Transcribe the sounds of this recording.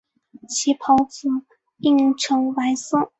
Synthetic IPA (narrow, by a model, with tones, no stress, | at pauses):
t͡ɕʰi˧˥pʰɑ˧˥ʊt͡su˨˩˦ | i˥˩ŋʈ͡ʂʰɤ˧˥ŋwa˧˥ɪsɤ˥˩